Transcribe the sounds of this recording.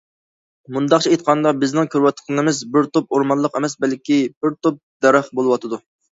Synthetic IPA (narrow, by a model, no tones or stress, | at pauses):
mund̪ɑqχt͡ʃʰɛet̪̚qʰɑnd̪ɑbɪznɪŋkʲʰøɾwɛt̪qʰɨnɨmɪzbɪɾt̪op̚oɾmɑnlˠəqemɛsbɛlkʲib̥ɪɾt̪op̚d̪ɛɾɑχbolˠɨwɑt̪ʰɨd̪u